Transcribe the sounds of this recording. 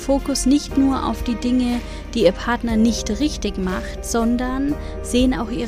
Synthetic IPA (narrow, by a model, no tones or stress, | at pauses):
foːkʊsnɪçtnuːɐʔa̰ʊfd̥iːdɪŋə | d̥iːiːɐpʰaɐtnɐnɪçtʁɪçtɪçmaχtz̥ɔndɐn | z̥eːəna̰ʊxʔiː